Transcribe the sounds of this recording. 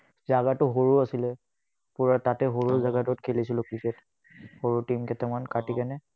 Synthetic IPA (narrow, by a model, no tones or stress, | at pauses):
zaɡatʊɦoɹuasilɛ | puɹatatɛɦoɹuɹzaɡatɔtkʰelisilʊkɹiket | hoɹutimkɛtɛmankatikanɛ